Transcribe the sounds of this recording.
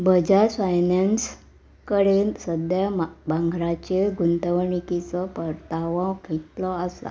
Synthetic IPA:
bəd͡ʑafajnans | kəɽensəd̪jabãŋɡʱɾat͡ɕeɡʱunt̪əʋɳikit͡səpəɾt̪aʋãkʰet̪lɔasa̰

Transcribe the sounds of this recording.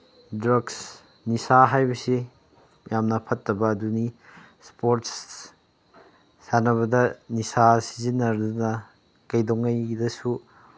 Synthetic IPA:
dɾɐɡs | nisaɦajbɐsi | mjamnɐpʰɐtːɐbɐːduni | spoɾts | sanɐβɐdɐnisasizinːɐɾdunɐ | kɐjdoŋːɐjdɐsu

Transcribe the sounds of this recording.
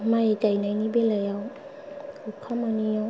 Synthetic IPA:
majtajnajnibelajaw | ukʰamanija

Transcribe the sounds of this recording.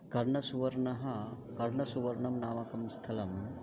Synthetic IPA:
kɐɾɳɐsuʋɐɾɳɐɦɐ | kɐɾɳɐsuʋɐɾɳɐmnaːmɐkɐmst̪ʰɐlɐm

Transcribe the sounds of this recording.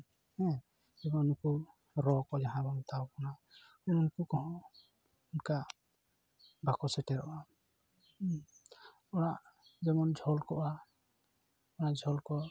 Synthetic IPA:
hɛ̃ | d͡ʒɛbɔnuku | ɾɔkɔd͡ʒaɦãbɔnt̪awkɔna | ɛnɔnukukɔɦɔ̃ | unka | bʱakɔsɛʈɛɾɔ̰ʔa | ɔɽaʔd͡ʒɛmɔnd͡ʒʱɔlkɔʔa | ɔɽaʔd͡ʒʱɔlkɔ

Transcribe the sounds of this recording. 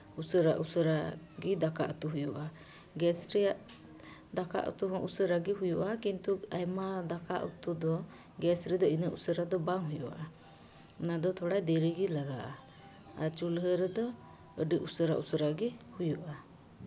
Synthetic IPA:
usəɾaʔusəɾa | ɡid̪akaʔut̪uɦujuʔa | ɡɛsɾɛjaʔ | d̪aka̰ʔṵt̪uɦɔ̃ʔusəɾaɡiɦujuʔakint̪uajmad̪akaʔṵt̪ud̪ɔ | ɡɛsɾɛd̪ɔinəʔusəɾad̪ɔbaŋɦujuʔaʔa | nad̪ɔt̪ʰɔɽajd̪ɛɾiɡilaɡaʔa | aɾt͡ʃulɦəɾɛd̪ɔ | əɖiʔusəɾaʔusəɾaɡɛhujuʔa

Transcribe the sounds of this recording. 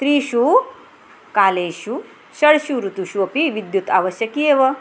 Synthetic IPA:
t̪ɾiːʃu | kaːleːʃu | ʃɐɽʃuːɾut̪uʃuɐpiʋid̪jut̪a̰ːʋɐɕjɐkijeːʋɐ

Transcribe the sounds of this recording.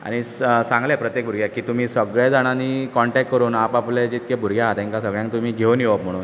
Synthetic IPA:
a̰ɽ̃isãŋɡlɛpɾət̪jek̚bʱuɾɡʱjakiːt̪um̤iːsəɡɭjad͡zaɽ̃aniːkɔɳʈɛk̚ʈkəɾuːnapapled͡ʑet̪̚kɛbʱuɾɡʱjaɦat̪ɛ̃ŋkasəɡɭjãŋk̚t̪um̤iːɡʱeunjeʋəpm̤əɽ̃uːn

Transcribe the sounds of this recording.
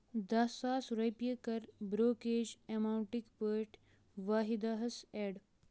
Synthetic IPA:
d̪ɐsaːsɾɐjpjekɐɾbɾoːkeːd͡ʒemauɳʈikpəːʈ | ʋaːɦid̪aːɦɐseɽ

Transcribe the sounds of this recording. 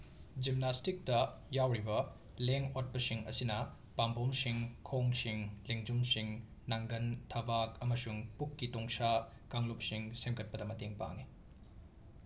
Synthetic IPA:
d͡ʒimnastik̚tɐjawɾibɐ | leŋot̚pɐsiŋɐ̰sinɐ | pambʱomsiŋkʰowŋsiŋleŋd͡ʒumsiŋ | naŋɡɐntʰɐbak̚ɐmɐsuŋpukːitoŋsa | kaŋlup̚siŋsemkʰɐt̚pɐdɐmɐteŋpa̰ŋi

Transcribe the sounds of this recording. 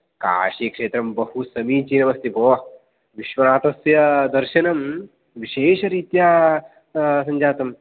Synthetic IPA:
ka̰ːʃikʂeːt̪ɾɐmbɐhusɐmiːt͡ʃiːnɐʋɐst̪iboː | ʋiʃʋɐnaːt̪ɐsjɐd̪ɐɾʃɐnɐm | ʋiʃeːʃɐɾiːt̪jaː | sɐ̃ɲd͡ʒaːt̪ɐm

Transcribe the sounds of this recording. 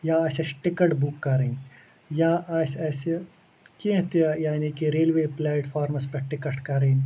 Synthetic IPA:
jaɐːsesʈɪkəʈbukːɐɾeːn | jaːʔɐsɛːse | ket̪ːjaːnikiɾeːlʋeːplɛːʈfʰaːɾmɐspɐʈɪkəʈkɐɾẽːn

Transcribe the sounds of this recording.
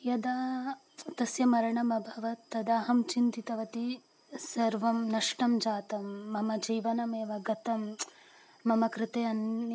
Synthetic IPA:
jɐd̪aː | t̪ɐsjɐmɐɾɐɳɐmɐbʱɐʋɐt̪ːɐd̪aːɦɐmt͡ʃint̪it̪ɐʋɐt̪i | sɐɾʋɐmnɐʂʈɐmd͡ʒaːt̪ɐmːɐmɐd͡ʒiːʋɐnɐmeːʋɐɡɐt̪ɐmː | ɐmɐkɾɪt̪eːɐn

